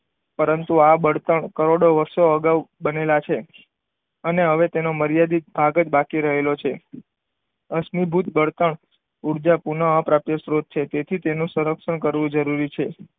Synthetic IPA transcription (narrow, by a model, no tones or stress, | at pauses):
pəɾənt̪uabəɽt̪əɳkəɾoɽoʋəɾʃoəɡaʋbənelat͡ʃʰe | əneɦəʋet̪enoməɾjad̪ibʱaɡəd͡ʒbakiɾəɦelot͡ʃʰe | əsnibʱut̪bəɽt̪əɳ | uɾd͡ʒapunəə̃pɾapjəsɾod̪̚t͡ʃʰet̪et̪ʰit̪enũsuɾəkʂəɳkəɾʋũd͡ʒəɾuɾit͡ʃʰe